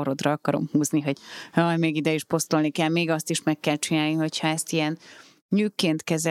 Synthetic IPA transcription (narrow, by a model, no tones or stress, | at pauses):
oɾo̞d̪rɒɒkɒɾo̞̰mhuːzniɦo̞ɟ̥jɒjmeːɡid̪ɛiʃpo̞st̪olnikɛlmeːɡɒst̪iʃmɛkːɛlt͡ʃinaːlniɦo̞chɒɛst̪ijɛn | ɲyːkːeːnt̪kɛzɛ